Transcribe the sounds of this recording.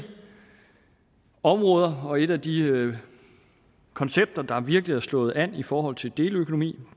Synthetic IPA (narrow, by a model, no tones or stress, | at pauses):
ɒ̽mʁɔ̽ːð̞ˠɐɒ̽e̝ɾ̥æd̥iø | kʰɒ̽nseb̥̚d̥ɐd̥ɑ̈ʋiɐɡ̥əliæɐslɔ̽ːð̩ˠæn̰ifɒːɦɒ̽l̰t͡sʰe̝ld̥e̝ːløkʰo̝no̝mḭː